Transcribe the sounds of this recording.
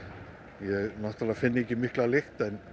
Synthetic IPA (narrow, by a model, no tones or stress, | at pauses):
jɛɣnaht̪aɾafɪnːɪecːɪmɪhklalɪxt̪ɛn